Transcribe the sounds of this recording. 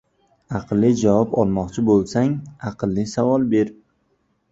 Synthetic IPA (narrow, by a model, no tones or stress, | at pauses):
ɑqɨlːɪd͡ʒavɒpɒlˠmɒqt͡ʃʰɪbolˠsaŋɑqʰɨlˠːɪsavɒlˠbeɾ